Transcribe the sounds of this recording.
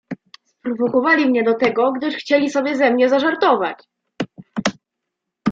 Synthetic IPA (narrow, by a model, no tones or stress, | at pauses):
spɾuvɔkɔvalʲimɲɛd̪ɔt̪ɛɡɔɡd̪ɘʂxt͡ɕelʲisɔbʲjɛzɛmɲɛzaʐaɾt̪ɔvat͡ɕ